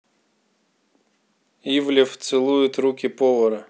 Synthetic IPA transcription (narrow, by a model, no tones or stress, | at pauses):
ivlʲɪft̪sɨlˠujʊt̪ɾukʲɪpɔvɐɾɐ